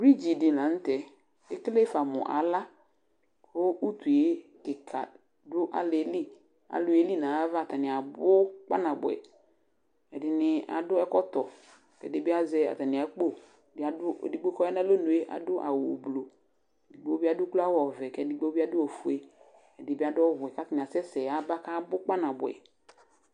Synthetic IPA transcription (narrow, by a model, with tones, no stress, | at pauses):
bɾi˦d͡ʒi˨dɪ˨lã˨n̩˦tɛ˨ | ɪ˦kle˦fa˨mʊ̰̃˨ʔa̰˨la˦ | kʊ˦u˦t̪u˨e˦kɪ˨kʰa̰˨ | dʊ˦ʔa̰˦le˨˦li˦ | a̰˨lʊ˨e˦li˦nã˨a˦va˦˨ta˨nɪ̃˨a˨bʊ˦k͡pa̰˦nã˨bʊ̰˨ɛ̰˨ | ɛ˨dɪ˨nɪ˨a̰˨dʊ˦ɛ˦kɔ˦t̪ɔ˨ | kɛ̰˨dɪ˦bɪ˦a˦zɛ˦a̰˨ta˨nɪ̃˨a˨˦k͡po˦˨˦ | a˦dʊ˦˨di˦ɡ͡bo˦kɔ˦ɛ˦na˦lo˦nu˨e˦ʔa̰˨dʊ˦ʔa̰˨wʊ˨blo˨ | dɪ˨ɡ͡bo˦ba˦dʊ˦ku˦la˦wɔ˨vɛ˨kɛ˨dɪ˦ɡ͡bo˦bi˦a˦dʊ˦ɔ˨fu˨e˦ | ɛ˨dɪ˨˦bɪ˦a˦dʊ˦ɔ˦ɦʊ˨ɛ˨ka˦tɪ˨nɪ˨a˨sɛ˦sɛ˨a˨˦ba˦ka˦bʊ˦k͡pa˦na˨bʊ˨ɛ̰˨